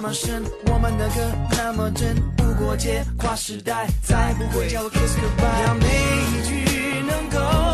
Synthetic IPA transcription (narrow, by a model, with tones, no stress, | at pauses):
mə˨ʂə˥˩nwɔ˨˩mə˦nd̪ə˧˦ɡə˧na˥˩mə˨ʈ͡ʂə˥npu˥˩kwɔ˧˥t͡ɕjɛ˥˩kʰwa˥˩ʂɻ̩˧˥t̪a˥˩ɪt͡sa˧˥˩ɪpu˧˥xwe˧˩jɛ˥˧˩kʰɛ˥˩su˧˥pa˥˧jme˧˦ɪi˨˩t͡ɕy˥nə˧˥ŋko˧